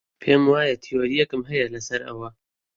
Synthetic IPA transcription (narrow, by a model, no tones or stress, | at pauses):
pʰeːmwaːjɐt̪ʰijoɾijɛkɨmɦɐjɐlɐsɐɾɐ̰wɐ